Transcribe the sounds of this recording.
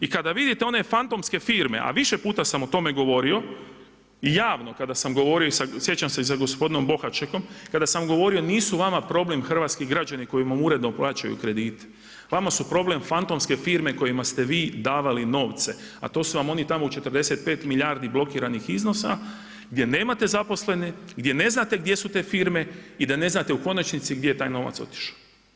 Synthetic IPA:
ikad̪aʋid̪it̪eo̞ne̞fant̪o̞mske̞fiːɾme̞̰ʔa̰ʋiʃe̞puːt̪asamo̞t̪o̞me̞ɡo̞ʋo̞ɾio̞ | ijaːʋno̞kad̪asamɡo̞ʋo̞ɾioisasje̞t͡ɕamseis̬aɡo̞spo̞d̪ino̞mbo̞xat͡ʃeko̞mkad̪asamɡo̞ʋo̞ɾio̞niːsuʋamapɾo̞ble̞mxr̩ʋaːt̪skiɡɾad͡ʑaniko̞imamuɾe̞d̪no̞plˠaːt͡ʃajṵkɾe̞d̪iːt̪ | ʋamasupɾo̞ble̞mfant̪o̞mske̞fiɾme̞ko̞jimast̪e̞ʋiːd̪aːʋalino̞ːʋt̪se̞ | a̰t̪o̞ːsuʋamo̞nit̪amout͡ʃe̞t̪ərd̪e̞se̞t̪̚pe̞ːt̪miʎaɾd̪iblˠo̞kiːɾanixizno̞sa | ɡd̪ʲje̞ne̞ːmat̪e̞zapo̞sle̞neɡd̪ʲje̞ne̞znat̪e̞ɡd̪je̞sut̪e̞ːfiɾme̞id̪ane̞znat̪e̞uko̞nat͡ʃnit̪siɡd̪jeet̪aːjno̞ːʋa̰t̪so̞̰t̪i̥ʃḁw

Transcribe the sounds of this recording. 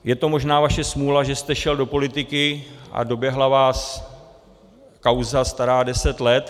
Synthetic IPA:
jɛt̪o̞mo̞ʒnaːvaʃɛsmuːlaʒɛst̪ɛʃɛldo̞po̞lɪt̪ɪkɪʔa̰do̞bjɛɦlavaːs | kawzast̪aɾaːdɛsɛt̪lɛt̪

